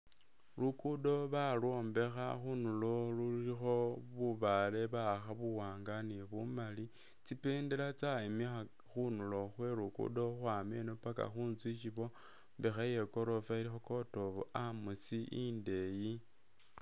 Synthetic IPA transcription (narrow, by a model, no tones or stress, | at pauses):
lukudo̞βalo̞ːmbe̞xaxunulo̞lulixo̞βuβale̞βaxaβuwaːŋɡaniβumali | t͡sipe̞ːndelat͡saimixa | xunulo̞xwe̞ɾukṵdo̞xwaːmenopaka̰xuːnzwit͡ʃiβo̞ | mbexaje̞ko̞ɾo̞failixo̞ko̞to̞βo̰amusiʔinde̞ji